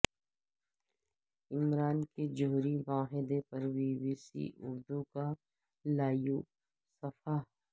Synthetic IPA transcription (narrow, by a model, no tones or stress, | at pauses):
ɪmɾaːnked͡ʒoːɾiʋaːɦɪd̪epɐɾʋiːbiːsḭʔʊ̰ɾd̪uka | laːjuː | sɐfaː